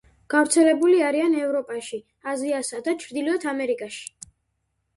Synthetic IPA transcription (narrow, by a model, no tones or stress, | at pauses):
ɡ̥avɾt̪sʰɛlɛbuliaɾianɛvɾɔpʼaʃi | aziasad̪at͡ʃʰɾd̪iliɔt̪ʰamɛɾikʼaʃi̥